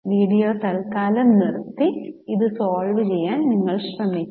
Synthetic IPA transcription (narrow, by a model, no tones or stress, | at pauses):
ʋiːɽijoːt̪ɐlkaːlɐmnirt̪ːiiðɨsoːlʋɨt͡ɕejːaːnniŋːɐɭɕrɐmikː